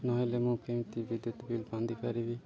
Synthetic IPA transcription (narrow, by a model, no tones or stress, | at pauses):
nɔɦɔ̃jlɛmũkemt̪ibid̪ut̪bilbãnd̪ipaɾibi